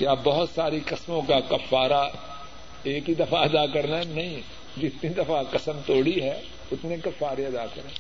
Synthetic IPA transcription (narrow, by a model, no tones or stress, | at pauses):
kjaːbɐɦʊt̪saːɾiqɐsmõkakɐfːaːɾa | eːkɦid̪ɐfaɐd̪akɐɾnaɦɛnɐɦĩ | d͡ʒɪt̪nid̪ɐfaqɐsəmt̪oːɽiɦɛ | ʊt̪nekɐfːaːɾeɐd̪akɐɾeː